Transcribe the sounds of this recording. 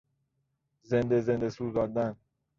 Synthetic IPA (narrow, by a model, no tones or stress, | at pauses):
zend̪ezend̪esuːzɒːd̪æn